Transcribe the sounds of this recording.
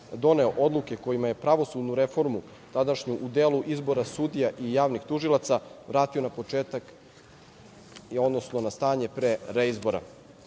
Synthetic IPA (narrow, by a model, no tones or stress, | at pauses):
d̪o̞ne̞o̞ʔo̞d̪lˠuke̞ko̞jimaje̞pɾaʋo̞sud̪nuɾe̞fo̞ɾmu | t̪ad̪aʃɲuʔud̪eːluʔizbo̞ɾasud̪ijaʔijaːʋnixt̪uʒilˠat̪saʋɾaːt̪io̞napo̞t͡ʂeːt̪ak | o̞d̪no̞sno̞nast̪aːɲe̞pɾeɾeizbo̞ɾa̰